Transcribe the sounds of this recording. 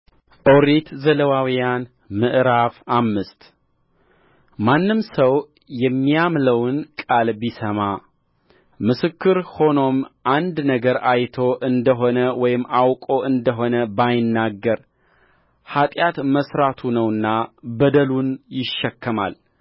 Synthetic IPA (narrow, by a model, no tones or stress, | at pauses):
ʔoɾet̪zələwawijan | mɨʔɾafamːɨst̪ | manːɨmsəw | jɛmːijamləwnkʼalbisəma | mɨsɨkʰːɨɾho̞no̞mʔand̪nəɡəɾajt̪ʰo̞ʔɨnd̪əɦo̞nəwɔjɪmawkʼo̞ʔɨnd̪əɦo̞nəbajɪnːaɡːəɾ | hat̪ʼjat̪məsɾat̪ʰunəwɨnːabəd̪əlunjɪʃːɛkːəma̰l